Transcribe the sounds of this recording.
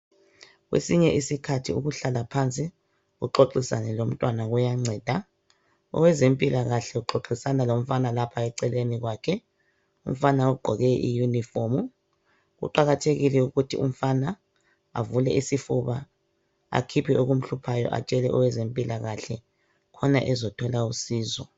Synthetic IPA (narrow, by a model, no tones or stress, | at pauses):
ɣwḛsiɲɛʔisikʰatʰiuɣuɬalapʰant͡sʼi | ɣṵǃoǁisa̰nɛlom̩tʼwanaɣujaŋ͡ǀʱɛːd̥ʱa | ɔ̰wɛzempʼilaɣaɬɛuǃoǁisanalom̩fanalapʰaɛǀɛleniɣwaːkʰɛ | um̩fanauɡ͡ǃʱɔɣɛʔḭjunifomu | ɣṵǃaɣatʰeɣilɛuɣutʰḭṵm̩fana | a̰vulɛisifuβa | a̰kʰipʰioɣum̩ɬupʰajɔ̰ʔa̰t͡ʃʼɛlɛʔɔwɛzempʼilaɣaɬɛ | kʰɔna̰ʔɛzɔtʰɔlausiːzɔ